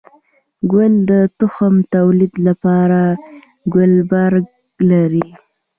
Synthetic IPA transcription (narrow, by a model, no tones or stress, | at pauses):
ɡand̪ət̪ʊxamt̪awlid̪lapɑɾa | ɡʊlbaɾɡ | laɾi